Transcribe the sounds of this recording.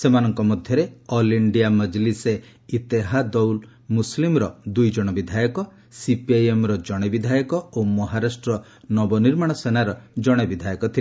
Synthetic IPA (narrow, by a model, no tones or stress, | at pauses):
semanɔŋkɔmɔd̪ʱjɔɾeɔliɳɖijaməd͡ʒlise | it̪eɦad̪ɔwl | muslimɾɔd̪ujd͡ʒɔɽ̃ɔbid̪ʱajɔkɔ | sipiajemɾɔd͡ʒɔɽ̃ebid̪ʱajɔkɔomɔɦaɾasʈɾɔ | nɔbɔniɾmaɽ̃ɔsenaɾɔd͡ʒɔɽ̃ebid̪ʱajɔkɔt̪ʰii